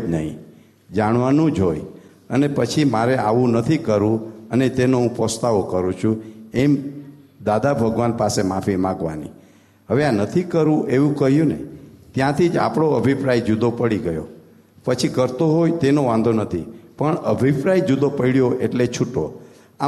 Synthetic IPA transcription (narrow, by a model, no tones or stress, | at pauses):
d͡ʒnəɦḭ̃ | d͡ʒaɳ̃ʋanũd͡ʒɦoj | ənepət͡ʃʰimaɾeʔaʋũnət̪ʰikəɾũənet̪enoũpəst̪aʋokəɾũt͡ʃʰuemd̪ad̪abʱəɡʋanpasemafimãɡʋa̰nḭ | ɦəʋeanət̪ʰikəɾũʔeʋũkəɦjũnet̪jãt̪ʰid͡ʒa̰pɽ̃oəbʱipɾajd͡ʒud̪opəɽiɡəjo̰ | pət͡ʃʰikəɾt̪oɦojt̪enoʋãnd̪ʱonət̪ʰipəɳəbʱipɾajd͡ʒud̪opəiɭjoʔeʈlet͡ʃʰuʈːo | a